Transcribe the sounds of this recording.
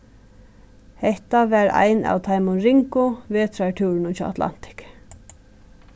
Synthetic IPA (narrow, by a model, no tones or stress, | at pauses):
hɛht̪aʋæɾa̰jna̰wt̪ʰajmʊnɾɪŋkʊvɛːt̪ʰɾaʈʰuwɾɪnʊt͡ʃʰaːwat̪la̰n̥t̪ɪ̥k